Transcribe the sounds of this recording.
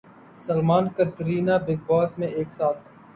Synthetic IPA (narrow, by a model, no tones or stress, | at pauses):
sɐlmaːnkɐt̪ɾiːnabɪɡ̚bɔːsmẽeːksaːt̪ʰ